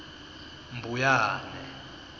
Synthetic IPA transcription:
mbʱujaːnɛ

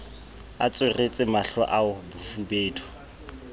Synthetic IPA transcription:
a̰t͡sʼweret͡sʼɪmaɬwa̰ʔaʊbʊfubeːtʰʊ̥

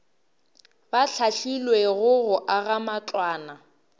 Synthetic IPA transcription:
baɬʰaɬilweɣʊɣʊʔaɣamat͡ɬʼwaːna

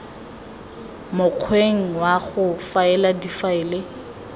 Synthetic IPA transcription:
mʊq͡χʰweŋ̩waɣʊfaɛladifaɪːle

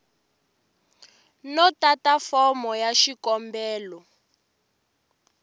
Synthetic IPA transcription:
nɔtatafɔmɔjaʃikɔmbɛːlɔ

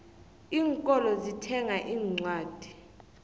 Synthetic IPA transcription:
iːŋkʼɔlɔzitʰɛŋaʔiːŋ͡ǀwaːd̥ʱi̥

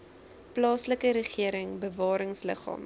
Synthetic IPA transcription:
plɑːsləkəɾəχiəɾəŋbəvɑːɾəŋslə̰χɑ̰ːm

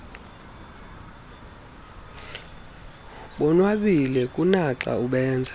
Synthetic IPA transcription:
ɓɔnwaɓilɛkʼunaǁa̰uɓɛːnd͡zʱa

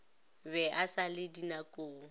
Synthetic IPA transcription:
bɛʔasalɪdinakʼoː

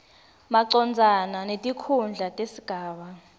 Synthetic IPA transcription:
maǀɔnd͡zʱananetʼikʰund͡ɮʱatʼesiɡ̥ʱaːɓa

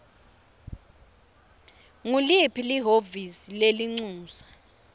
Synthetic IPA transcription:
ŋulipʰiliɦovisileliŋ͡ǀuːsa

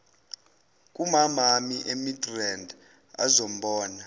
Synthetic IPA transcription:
kʼumamamiʔemidrɛnd | a̰zom̩ɓɔːna

